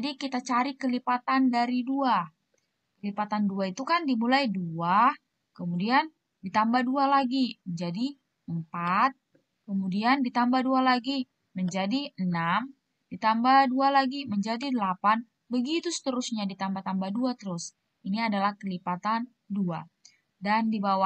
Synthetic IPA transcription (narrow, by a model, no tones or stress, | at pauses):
d͡ʒadikit̪at͡ʃaɾikəlipat̪andaɾidua | kəlipat̪anduait̪ukandimulajdua | kəmudian | dit̪ambahdualaɡiməɲd͡ʒadi | əmpat̪̚ | kəmudiandit̪ambahdualaɡi | məɲd͡ʒadiənam | dit̪ambahdualaɡiməɲd͡ʒadidəlapan | bəɡit̪usə̥t̪əɾʊsɲadit̪ambaht̪ambahduat̪əɾʊs | iniadalahkəlipat̪an | dua̰ | dandibawa